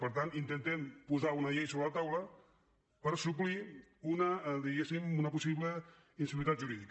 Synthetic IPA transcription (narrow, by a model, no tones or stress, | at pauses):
pəɾt̪anint̪ent̪ɛmpuzaunəʎejsoβɾəlat̪awlə | pəɾsupliunəd̪iɣesimunəpusiβlə | insiβit̪at̪ʒuɾiðik